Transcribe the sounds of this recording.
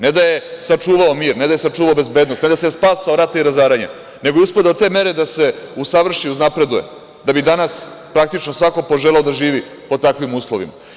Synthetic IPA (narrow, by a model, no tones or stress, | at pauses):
ned̪aje̞sat͡ʂuːʋaomiːɾned̪aje̞sat͡ʂuːʋaobe̞zbed̪nost̪ned̪asespaːsaoɾat̪aiɾazaːɾaɲa̰ | ne̞ɡojuspad̪aot̪e̞ːme̞ɾe̞d̪ase̞usaʋr̩ʃiuznapɾe̞d̪uje̞̰ | d̪abid̪anaspɾak̚t̪it͡ʃnosʋako̞po̞ʒeleod̪aʒiːʋi | po̞t̪akʋimuːslˠoʋḭma̰